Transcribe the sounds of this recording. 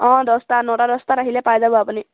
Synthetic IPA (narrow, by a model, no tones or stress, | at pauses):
ɔ̃dɔst̪anɔʈaɾɔst̪aɾaɦilepajd͡zabuapɔni